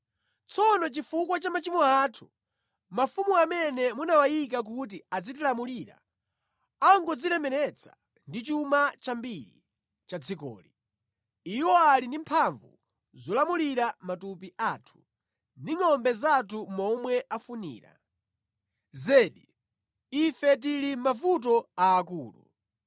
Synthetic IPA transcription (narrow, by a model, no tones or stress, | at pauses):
t͡sɔnɔt͡ʃifukwat͡ʃamat͡ʃimɔaːtʰu̥ | mafumuamɛnɛmunawajik̬ak̬ut̬iad͡zit̬ilamuliːɾa̰ | aŋɡɔd͡zilɛmɛɾɛt͡sʰḁ̰ | ndit͡ʃumat͡ʃambiɾḭ | t͡ʃad͡zʰikɔ̰ːli | iwɔalindim̩pʰaɱvṵ | zɔlamuliɾamatupiʔatʰu̥ | ndiŋɔmbɛzatʰumɔmwɛʔafunḭːɾa̰ | zɛːɗi | ifɛt̬ilim̩mavut̬ɔaːkṵːlṵ